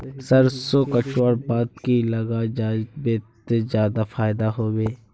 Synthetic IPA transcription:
səɾsoːkət͡ʃaːɾbaːd̪kilɐɡad͡ʒaːbet̪zjaːd̪afaːɪd̪aɦoːʋeː

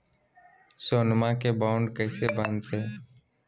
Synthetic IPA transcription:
soːnmãkebaːʊɳɖkɛːsebãːnt̪eː

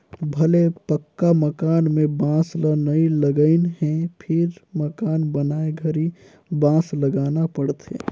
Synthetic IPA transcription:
bʱɐlepəkːaməkaːnmẽbãːslənəĩləɡəɪnɦɛ̃pʰɪɾməkaːnbənaːeɡʱəɾi | bãːsləɡaːnapəɽt̪ḛ̃ː

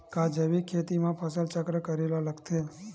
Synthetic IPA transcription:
kad͡ʒəʋikʰːet̪imãpʰəsəlt͡ʃəkɾəkəɾelaləkt̪ʰe

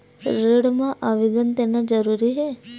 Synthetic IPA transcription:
ɾeɽmãʔaʋiɡənt̪enad͡ʒɐɾuɾiɦe

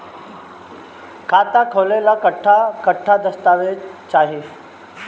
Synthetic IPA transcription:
kʰat̪akʰolelakəʈʰːakəʈʰːad̪əst̪aʋet͡ɕaɦi

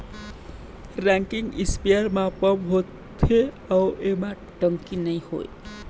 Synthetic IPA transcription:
ɾɛ̃ŋkɪŋɡɪspiaɾmãpəbɦot̪ʰe | awemã | ʈə̃ŋkinəĩho̰ḛ

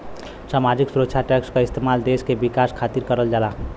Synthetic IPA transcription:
samad͡ʒiksuɾətːt͡ʃʰaʈɛkskaist̪emald̪eskebikaskʰat̪iɾkəɾəld͡ʒala

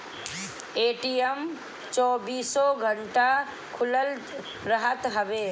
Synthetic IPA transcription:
eʈiəm | t͡ʃɔːbiːsɔɡʱəɳʈa | kʰʊləl | ɾəɦət̪ɦəbe

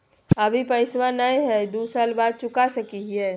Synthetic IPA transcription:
ɐbʱipəɪswanaĩɦɛd̪uːsaːlbaːd̪̚t͡ʃʊkasɐkiɦɦɛː

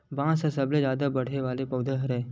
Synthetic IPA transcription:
bãːsəsəbled͡ʒaːd̪abəɽ̤ʱeʋaːlepəwd̪ʱəɦəɾe

